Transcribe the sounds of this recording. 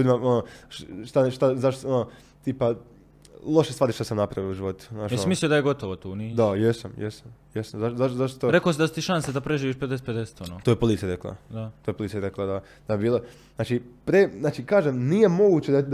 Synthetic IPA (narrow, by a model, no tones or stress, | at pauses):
luːd̪imaonoʃt̪aʃt̪azaʃt̪ono | t̪iːpa | lˠo̞ʃest̪ʋaːɾiʃt̪osamnapɾaʋiouʒiʋo̞t̪u̥aːʃjesimislijod̪aje̞ɡo̞t̪oʋot̪uːniːd̪ajesamjesamjesazaʃzat̪zaʃt̪ot̪oɾe̞kosid̪asit̪iʃansed̪apɾeʒiːʋiːʃped̪eseped̪ese̥t̪onoːt̪oːjepolit̪sijaɾeklˠa̰d̪at̪ojepolit̪ijaɾeklˠad̪a | d̪̥aebiːlˠo | znaːt͡ʃipɾeznaːt͡ʃikaːʒemnije̞mo̞ɡut͡ɕed̪ad̪